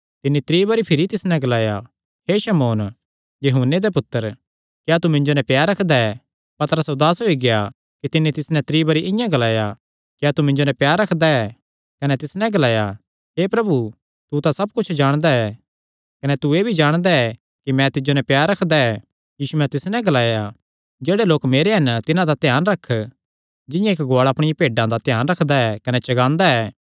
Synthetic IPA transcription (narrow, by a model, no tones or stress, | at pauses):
t̪ɪnːit̪ɾiːbɐɾipʰɪɾit̪ɪsnɛ̃ɡɐlaːja̰ | ɦeːʃɐmoːn | jɐɦunːed̪epʊt̪ːəɾ | kjaːt̪umɪ̃ɲd͡ʒonɛpjaːɾɐkʰd̪aɛ | pɐt̪əɾəsod̪aːsɦoiɡeja | kit̪ɪnːit̪ɪsnɛ̃t̪ɾiːbɐɾiʔɪ̃jãɡɐlaːja | kjaːt̪umɪ̃ɲd͡ʒonɛpjaːɾɐkʰd̪aɛ | kɐnɛt̪ɪsnɛ̃ɡɐlaːja | ɦeːpɾɐbu | t̪ut̪asɐb̚kʊt͡ʃʰd͡ʒaːɽ̃d̪aɛ | kɐnɛt̪ueːbʱid͡ʒaːɽ̃d̪aɛ | kimɛ̃t̪ɪd͡ʒonɛpjaːɾɐkʰd̪aɛ | jiːsumɛ̃t̪ɪsnɛ̃ɡɐlaːja | d͡ʒeːɽeloːkmeːɾeɦɐnt̪ɪnãd̪at̪jaːnɾɐkʰː | d͡ʒɪ̃jãɪkɡoaːɭɐpɽ̃ɪjãpeːɖãd̪at̪jaːnɾɐkʰd̪aɛkɐnɛt͡ʃɐɡãːnd̪aɛː